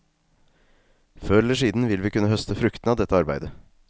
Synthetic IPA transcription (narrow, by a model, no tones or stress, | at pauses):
føːɛləʂiːd̪n̩ʋɪlʋiːkʉnːəhœst̪əfɾʉkt̪n̩ɑːʋd̪ɛt̪ːəɑɾbæ̰ɪd̪ə